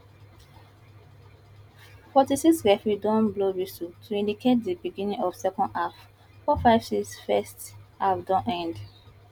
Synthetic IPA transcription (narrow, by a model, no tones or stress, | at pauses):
fɔtisiksɹɛfɹidɔ̃nbloɹisotʰuĩndikʰet̚dibiɡĩnĩŋɔv̥sɛkɔ̃ndaf | fɔfaɪv̥siksfɛstafdɔ̃nʔɛ̃nd